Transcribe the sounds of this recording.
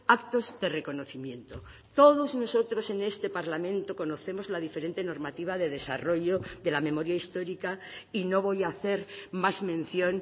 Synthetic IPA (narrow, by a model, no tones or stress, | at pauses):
akt̪o̞zðe̞re̞ko̞no̞θimje̞nt̪o | t̪o̞ð̞o̞zno̞so̞t̪ɾo̞se̞ne̞st̪epaɾlamẽ̞nt̪oko̞no̞θe̞mo̞zlaðifeɾe̞nt̪e̞no̞ɾmat̪iβ̞aðe̞ðe̞sa̰ro̞ʝo̞ðe̞lamẽ̞mo̞ɾjaist̪o̞ɾikaino̞β̞o̞jaːθe̞ɾmazmẽ̞nθjo̞n